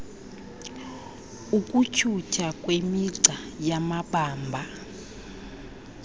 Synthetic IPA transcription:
ukʼucʰutʰakʼwemiǀajamaɓaːmbʱa

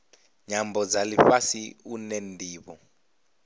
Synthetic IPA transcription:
ɲambɔd͡zalifasiunendʱiːβɔ̰

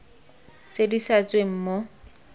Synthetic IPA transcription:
t͡sʼedisat͡sweŋ̩ːmo

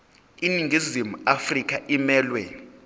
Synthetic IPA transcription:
iniŋɡʱizimuafrikʼʰaʔimɛːlwɛ

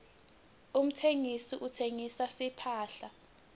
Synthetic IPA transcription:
um̩tʰeŋisiʔutʰeŋisasipʰaːɬa

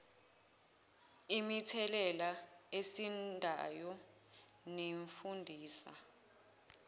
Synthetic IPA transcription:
imitʰɛlɛlaesindʱa̰jɔ | neɱfundʱiːsa̰

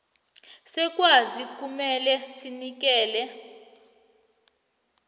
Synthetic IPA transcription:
sɛk̬ʼwazik̬ʼumɛlɛsinik̬ɛːlɛ

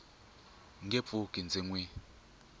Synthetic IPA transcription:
ŋɡʱep̪fukʼind͡zʱiŋwi

